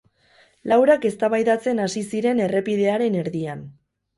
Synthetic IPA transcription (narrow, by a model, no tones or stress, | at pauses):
lawɾake̞st̪aβajðat͡se̞nasisiɾe̞ne̞re̞pið̞e̞aɾe̞ne̞ɾðian